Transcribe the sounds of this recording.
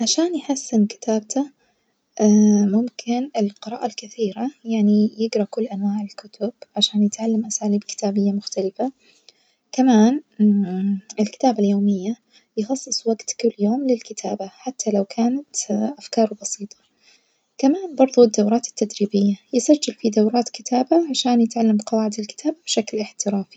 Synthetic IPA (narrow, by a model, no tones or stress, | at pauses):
ʕaʃaːnjħasːɪnkɪ̥t̪ʰaːb̚t̪ʰa | mʊmkʰɪnɪlqɨɾˤɑ̰ːʔalkɪθiːɾajaʕnijɪɡɾˤɑkʊlːʔanwaːʕɪlkʊt̪ʊb̥ʕaʃaːnjɪt̪ʕalːamʔasaːliːbkɪ̥t̪ʰaːbɪjːamʊxt̪alɪfa | kamaːn | ɪlkɪ̥t̪aːbaljoːmɪjːa | jɪxɑsˤːɨsˤwaɡt̪kʊlːjoːmlɪlkɪt̪ʰaːbaħat̪ːalawkʰaːnat̪ʔafkɑːɾˤbɑsiːt̪ˤʰɑ̥ | kamaːnbɑɾˤðˤud̪ːawɾɑːt̪ɪ̥t̪ːad̪ɾiːbɪjːajɪsad͡ʒːalfid̪awɾɑːt̪kɪt̪ʰaːbaʕaʃaːnjɪt̪ʕalːamqɑwaːʕɪd̪alkɪ̥t̪ʰaːbabʃaklʔɪħt̪ɪɾaːfi̥